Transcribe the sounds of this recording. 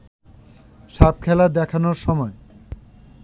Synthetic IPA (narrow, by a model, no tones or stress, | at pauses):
ʃap̚kʰɛlad̪ɛkʰanoɾʃɔmɔe